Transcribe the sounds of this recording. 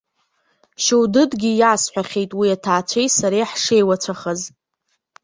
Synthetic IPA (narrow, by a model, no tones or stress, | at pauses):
ʃewdɨdɡʲijaːsħʷᶣaχʲe̞jtʼwiatʰaːt͡ʃʷʰejtʼsaɾejħʂe̞jwat͡ɕʷʰaχəz